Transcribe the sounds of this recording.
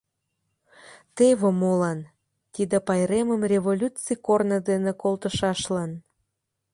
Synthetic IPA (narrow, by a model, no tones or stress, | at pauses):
t̪eβə̆molɑn | t̪id̪ĕpɑjɾeməmrʲevolʲut͡sikornəd̪enĕkolt̪əʃɑʃlɑn